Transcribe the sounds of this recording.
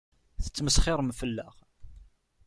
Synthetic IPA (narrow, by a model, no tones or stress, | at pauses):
θə̥t͡sːməsχɪɾˤəmfəlːə̰ʁ